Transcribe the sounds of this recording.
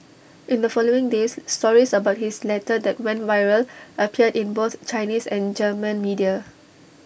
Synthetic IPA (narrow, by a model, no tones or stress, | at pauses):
ʔɪ̃ndəfɔloɪ̃ŋdesːtɔɹisəbaʊt̚hislɛtədɛt̚wɛ̃nvaɪɹəlʔəpʰiədɪ̃nboθt͡ʃaɪnisɛ̃nd͡ʒəmə̃nmidia